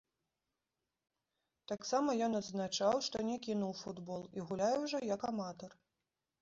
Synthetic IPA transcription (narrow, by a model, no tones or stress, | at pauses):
t̪aksamɐjɔnɐd̪znat͡ʂawʂt̪ɔnʲɛkʲinuwfud̪bɔlˠiɣulʲajɛwʐɔjakamat̪ɔr